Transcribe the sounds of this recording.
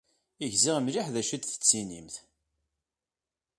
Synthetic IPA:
iʝziʁəmliħðæʃid̪θə̥t͡sːinḭmθ

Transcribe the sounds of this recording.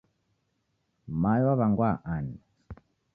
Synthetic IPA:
majwaβaŋɡwaʔani

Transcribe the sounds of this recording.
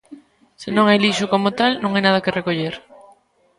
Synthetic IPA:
sɪnõŋajliʃʊkomʊt̪alnõŋajnað̞ɐkɪrekoʎeɾ

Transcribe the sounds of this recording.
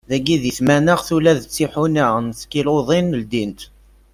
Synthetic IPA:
ðæɡiðiθmænəʁθulæðət͡sːiħunəʁnθkːiloðˤinəld̪int̪

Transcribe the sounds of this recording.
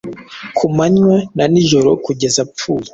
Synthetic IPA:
kʰumaɲwananiʒo̞ɾokuɟe̞zapp͡fuːɾa

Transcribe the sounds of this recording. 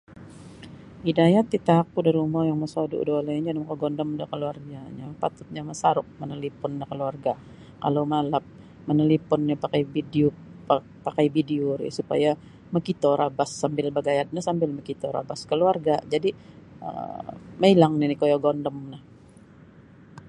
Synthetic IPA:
idajat̪it̪akudaɾiumajaŋməsodṵʔdolaind͡ʒanamakoɡɔndɔmdakəluarɡaɲapat̪ʊt̪̚ɲaməsaɾʊk̚mənəlipʊndakəluarɡa | kalomalap̚ | mənəlipʊnːapakajbidio | pakajbidioɾḭsupa̰ja | məkit̪oɾʔabasːambɪlbaɡajat̪̚nasambɪlməkit̪ɔɾa̰baskəluarɡad͡ʒadi | ə̰mailaŋnɪnɪkojaɡɔndɔmnah

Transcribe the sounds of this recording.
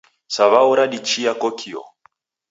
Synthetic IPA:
saβauɾaɗit͡ʃiakɔkʰiɔ̰

